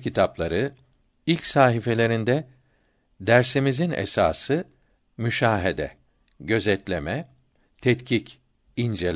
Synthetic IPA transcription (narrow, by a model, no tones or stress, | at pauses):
kit̪ʰaplˠaɾɯ | ilʲcsaːɦife̞lʲe̞ɾind̪ɛ | d̪æɾsimizinḛsa̰ːsɯ | myʃaːɦed̪ɛ̰ | ɟø̞zɛt̪lʲemɛ | t̪ʰɛt̪cʰic | ind͡ʒelʲ